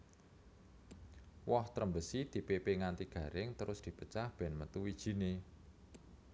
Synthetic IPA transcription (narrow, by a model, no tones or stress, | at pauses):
wɔht̪ɾəmbəsid̪̥i̤pepeŋant̪iɡ̥ä̤ɾɪŋt̪əɾʊsd̪̥i̤pət͡ʃahb̥ɛnmət̪uwid̥ʒ̥i̤ne